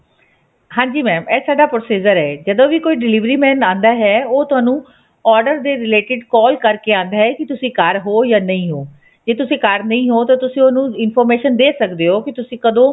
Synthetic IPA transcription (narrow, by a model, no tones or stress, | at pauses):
ɦãːɲd͡ʒiːmɛ̃ːmɛːsaːɖaːpɾoːsiːd͡ʒəɾɦɛːd͡ʒəd̪õːʋiːkoːiːɖɪliːʋɾiːmɛ̃ːnãːnd̪aːɦɛːoːt̪ʊaːnũː | ɔːɾɖəɾd̪eːɾɪleːʈɪɖkɔːlkəɾkeːãːnd̪aːɦɛːkɪt̪ʊsĩːkəɾɦoːjaːnəĩːɦoː | d͡ʒeːt̪ʊsĩːkəɾnəĩːɦoːt̪ãːt̪ʊsĩːonũːɪnpʰɔːɾmeːʃənd̪eːsəkd̪eːɦoːkɪt̪ʊsĩːkəd̪õː